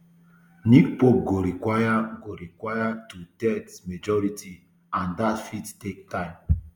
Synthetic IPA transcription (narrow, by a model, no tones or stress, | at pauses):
nikpop̚ɡoɾikwajaɡoɾikʷajatutɛtsmed͡ʒɔɾiti | ãndatfittek̚tãɪ̃m